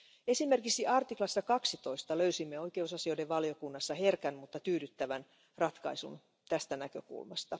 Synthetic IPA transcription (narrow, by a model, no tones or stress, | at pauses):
e̞sime̞rkiksiʔɑrt̪iklɑsːɑkɑksit̪o̞ist̪ɑløysimːeo̞jke̞usɑsio̞jde̞ʋʋɑljo̞kunːɑsːɑhe̞rkænmut̪ːɑt̪yːdyt̪ːæʋæn | rɑt̪kɑ̰isṵn | t̪æst̪ænækø̞̰kṵlmɑst̪ɑ